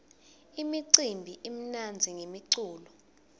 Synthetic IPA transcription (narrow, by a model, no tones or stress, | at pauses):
imiǀimbʱiʔim̩nand͡zʱiŋemiǀuːlɔ